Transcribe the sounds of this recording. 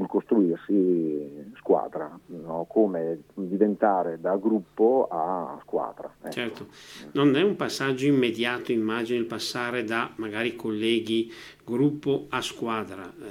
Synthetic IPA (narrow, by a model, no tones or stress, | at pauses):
ulkost̪ɾuirsi | skwa̰ːd̪ɾanɔkʰoːmed̪ivent̪aːɾed̪aɡɾupːoa̰skwa̰ːd̪ɾa̰ɛt͡ʃɛrtt̪ononɛumpasːad͡ʒːoimːed̪jaːt̪oimːaːd͡ʒinoilpasːaːɾed̪amaɡaːɾikʰolːɛːɡiɡɾupːoaskwaːd̪ɾa